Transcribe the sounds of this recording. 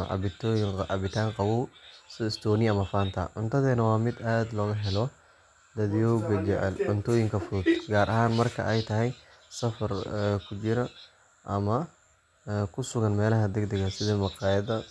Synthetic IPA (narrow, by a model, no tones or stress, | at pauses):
ʕɑ̰bɪt̪ːjʕɑbɪt̪ʰaːŋqɑwuwsɪst̪ʰɔːnɪɐmɐfaːnt̪ʰɐ̰ʕʊ̰nt̪ʰɐðɛːnɐwɑːmɪd̪aːd̪lɔːɣɐɦɛlɔ | d̪ɐðijɔːɡɐd͡ʒɛʕɛ̰lʕʊnt̪ʰɔːjɪŋkʰɐfud̪ɡaːɾʔɐɦaːnmɐrkʰɐ̰ʔɛjt̪ʰɐɦɛj | sɐfɐrɛkʰʊt͡ʃɪɾɐ | ʔɐmɐ | kʰʊsʊɣɐnmɛːlɐɦɐd̪ɛɡd̪ɛɣɐsɪðɐmɐqɑːjɐðɐ